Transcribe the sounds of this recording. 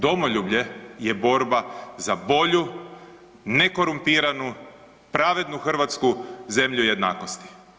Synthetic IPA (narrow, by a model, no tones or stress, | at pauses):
d̪o̞moʎuːbʎe̞je̞bo̞ɾbazabo̞ʎu | neko̞ɾumpiːɾanu | pɾaʋe̞d̪nuxr̩ʋat̪skuze̞mʎuje̞d̪na̰ːko̞st̪i̥